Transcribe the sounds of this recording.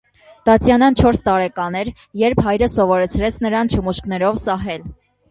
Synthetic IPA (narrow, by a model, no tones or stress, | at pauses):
d̪̥ɑt͡sjɑnɑnt͡ʃʰɔɾst̪ɑɾɛkɑnɛɾ | jɛɾpʰhɑjɾəsɔvɔɾɛt͡sʰɾɛt͡sʰnəɾɑnt͡ʃʰəmuʃkn̪ɛɾɔvsɑɦɛl